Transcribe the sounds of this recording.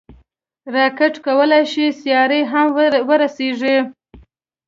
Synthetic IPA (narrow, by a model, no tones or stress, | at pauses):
ɾɑkɪʈkawəlajʃisjɑɾəjɦamwəɾaseʐi